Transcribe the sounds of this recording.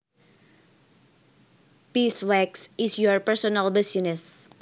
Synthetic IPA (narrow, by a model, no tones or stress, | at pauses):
piswɛksɪsjɔɹpɛɹsɔnalbɪsinɛs